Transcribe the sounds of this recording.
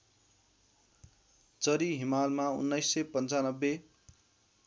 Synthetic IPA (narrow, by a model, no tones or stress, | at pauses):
t͡sʌɾiɦimalmaṵnːʌjsːʌpʌnt͡sanʌbːe